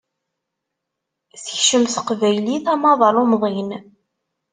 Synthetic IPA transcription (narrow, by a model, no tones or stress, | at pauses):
θəçʃəmθəqvæjliθɑmɑðˤɑɾˤumðˤin